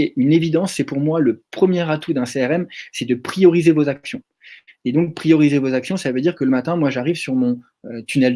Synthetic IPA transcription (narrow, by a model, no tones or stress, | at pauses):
ynevid̪ɑ̃sːɛpuʁmwaləpχəmjeʁat̪ʰud̪ɛ̃seɛʁɛmsɛd̪əpχijɔʁizevozaksjɔ̃ | ed̪ɔ̃k̚pχijɔʁizevozaksjɔ̃savød̪iʁkələmat̪ɛ̃mwaʒaʁivsyʁmɔ̃ | øt̪ynɛl